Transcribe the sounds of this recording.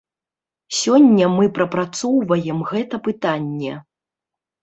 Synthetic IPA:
sʲɔnʲːɐmɨpɾɐpɾat̪sɔwvɐjɛmɣɛt̪ɐpɨt̪anʲːɛ̰

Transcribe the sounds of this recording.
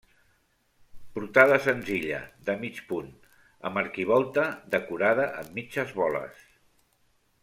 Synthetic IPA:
puɾt̪aðəsənziʎə̰d̪əmit͡ʃpun | ə̰məɾkiβ̞ɔlˠt̪əðəkuɾað̞əʔəmːit͡ʃəzβɔlə̰s

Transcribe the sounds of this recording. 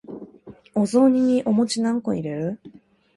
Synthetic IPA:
ozoɲ̟iʔomo̞t͡ɕinãŋko̰iɾeɾɯ̟

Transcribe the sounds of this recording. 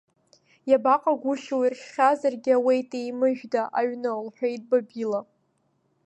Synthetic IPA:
jabaqʼaɡʷʊʃawirʃχʲazarɡʲɪawejtʼejmɨʒᶣdaʔaɥnɨlħʷᶣajtʼbabila

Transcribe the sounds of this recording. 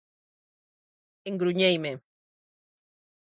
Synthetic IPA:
eŋɡɾuɲejme

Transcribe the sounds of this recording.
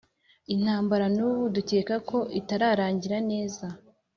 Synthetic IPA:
in̥haːmbaɾanuːβuduce̞ːkako̞ʔitaɾaːɾaːɲɟiɾane̞ːza

